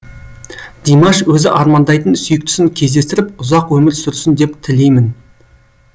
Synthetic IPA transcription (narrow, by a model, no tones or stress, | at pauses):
d̪̥ijmɑʃwɵzɪʔɑɾmɑnd̪ɑjt̪ənsʏjɪk̚t̪ʰɪ̥sɪŋkʲʰe̞zd̪e̞st̪ɪɾɪpʊzɑqwɵmɪɾsʏɾsɪnd̪e̞pt̪ʰɪle̞jmɪn